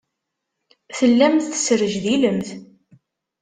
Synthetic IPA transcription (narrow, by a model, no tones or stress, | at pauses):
θəlːæmθθə̥sɾəʒðiləmθ